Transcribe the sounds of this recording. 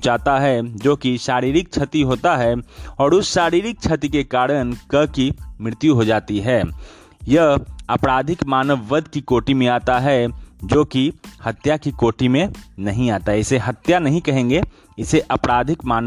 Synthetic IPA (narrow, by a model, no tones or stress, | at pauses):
t͡ʃaːt̪aɦɛd͡ʒoːkiʃaːɾiːɾɪk̚t͡ʃʰɐt̪iɦoːt̪aɦɛɔːɾʊsʃaːɾiːɾɪk̚t͡ʃʰɐt̪ikekaːɾənkɐɦkimɪɾɪt̪juɦod͡ʒaːt̪iɦɛː | jɐɦɐpɾaːd̪ʱɪkmaːnəʋːəd̪ʱkikoːʈimẽaːt̪aɦɛd͡ʒoːkihɐt̪jakikoːʈimẽnɐɦĩaːt̪aɦɛɪseɦɐt̪janɐɦĩkɐɦẽːŋɡe | ɪseʔɐpɾaːd̪ʱɪkmaːn